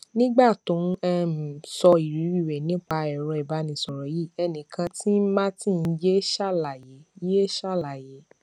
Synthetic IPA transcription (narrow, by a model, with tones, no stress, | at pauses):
nĩ˦ɡ͡ba˦˨tũ˨˦ɛ˦m̩˨sɔ˧i˨ɾi˨˦ɾi˦˨we˨nĩ˨˦k͡pa˧ɛ˨ɾɔ˧i˨ba˨˦nĩ˧˨sɔ˨ɾɔ˨˦ji˦˨ɛ˧nĩ˨kʰã˧ti˦mã˦tĩ˦˨n̩˧˦d͡ʒe˦ʃa˦˨la˨je˨˦je˦ʃa˦˨la˨je˨˦